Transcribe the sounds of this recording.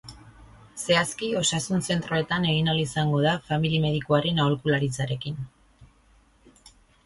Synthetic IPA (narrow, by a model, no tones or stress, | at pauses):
se̞askio̞sasunse̞nt̪ɾo̞e̞t̪ane̞ɣinalisaŋɡo̞ð̞afamilime̞ðikoaɾe̞naolkulaɾit͡saɾe̞kin